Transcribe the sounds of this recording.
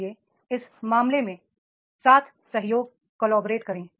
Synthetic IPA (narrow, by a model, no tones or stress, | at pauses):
e | ɪsmaːmlemẽ | saːt̪ʰ | sɐɦjoːɡ̚ | kɔːlɔːbɾeːʈkɐɾẽː